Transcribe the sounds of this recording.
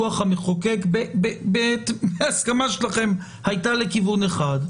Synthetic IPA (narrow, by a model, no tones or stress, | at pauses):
uaχhameχoke̞kbebebetmeaskamaʃelaχe̞m | hajtale̞kivuneχad